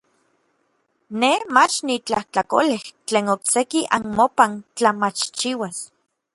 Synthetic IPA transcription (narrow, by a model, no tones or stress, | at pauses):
nemat͡ʃnit͡ɬaht͡ɬako̰leht͡ɬeːnoksekiʔanmopant͡ɬamat͡ʃt͡ʃiwas